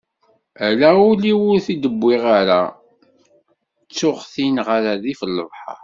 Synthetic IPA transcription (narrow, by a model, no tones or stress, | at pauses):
ælæʊliwʊɾθid̪əbʷːiʁaɾa | t͡sːʊʁθinʁəɾaðifəlːəvħɑ̰